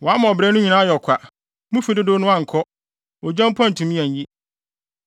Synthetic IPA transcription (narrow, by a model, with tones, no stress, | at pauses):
wɔ˨a˦m˨ɔ˨bɾɛ˦nʊ̃˦ɲi˨nã˦jɔ˨kʰʷa˨ | mũ˦fi˨˦dɪ˦do˦nʊ̃˦ã˦˨ŋ̩˨kʰɔ˦ | ɔ˨d͡ʑã˦m˦pʰã˦n̩˨tʰũ˨mĩ˦ɛ̃˨ɲ˨ji˦